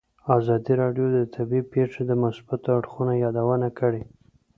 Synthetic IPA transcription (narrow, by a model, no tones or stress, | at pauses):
ɑzɑd̪iɾɑɖjod̪ət̪ʰabipeʂed̪əmasbat̪oaɽxunajɑd̪awənakəɽe